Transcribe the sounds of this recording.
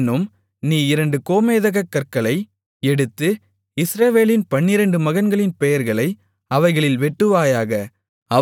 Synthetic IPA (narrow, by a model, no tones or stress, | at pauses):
nːɯm | niːɪɾɐɳɖɯkoːmeːðɐɣɐkːɐɾkɐɭɐɪ | ɛɽɯt̪ːɯ | ɪsɾɐʋeːlɪnpɐɳːɪɾɐɳɖɯmɐɣɐnɡɐɭɪnpɛjɐɾɣɐɭɐɪ | ɐʋɐɪɣɐɭɪlʋɛʈːɯʋaːjaːɣɐ | ɐ